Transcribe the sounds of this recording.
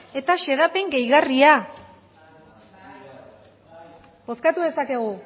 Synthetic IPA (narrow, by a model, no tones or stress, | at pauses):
e̞t̪aʃe̞ð̞ape̞ŋɡejɣaria | bo̞skat̪uðe̞sake̞ɣu